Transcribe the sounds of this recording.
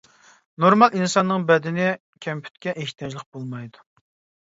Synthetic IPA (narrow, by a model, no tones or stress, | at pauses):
noɾmɑlˠinsɑnːɨŋbɛd̪ɪnɪ | kʲʰɛmpʰy̥t̪̚kʲɛʔeht̪ʰjɑd͡ʒlˠəq̚b̥olˠmɑjd̪u̥